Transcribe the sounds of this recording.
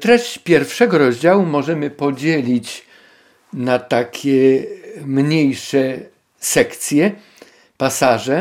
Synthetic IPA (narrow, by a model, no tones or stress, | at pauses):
t̪ɾɛɕt͡ɕpʲjɛɾfʂɛɡɔɾɔʑd͡ʑawumɔʐɛmɘpɔd͡ʑelʲit͡ɕ | nat̪akʲʰɛ | mɲejʂɛ | sɛkt̪sʲjɛ | pasaʐɛ